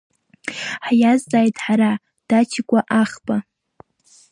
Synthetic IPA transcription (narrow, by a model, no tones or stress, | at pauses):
ħjaztʼaːjtʰʼħaɾa | d̥at͡ʃʰikʷʼaʔaχba